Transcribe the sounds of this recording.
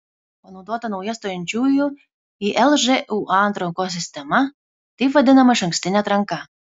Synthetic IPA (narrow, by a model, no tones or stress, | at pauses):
pɐnod̪uɔt̪ɐnɔwiɛst̪ɔjɛnʲt͡ʃʲuːju | iʔɛlˠʒɛʔuʔant̪ɾɔkɔs̬ʲɪsʲt̪ʲɛma | t̪ʲipʋɐd̪ʲɪnɐmɐʃɐŋksʲt̪ʲɪnʲat̪ɾɐŋka